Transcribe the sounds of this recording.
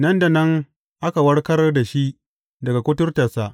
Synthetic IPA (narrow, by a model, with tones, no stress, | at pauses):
nɐ˦nda˨nɐ˦ŋ | ʔa˦ka˨wɐ˦rkɐ˦rda˨ʃi˦ʔ | dɐ˨ɡa˨kʷʊ˦tʊ˦rta˨sa˦ʔ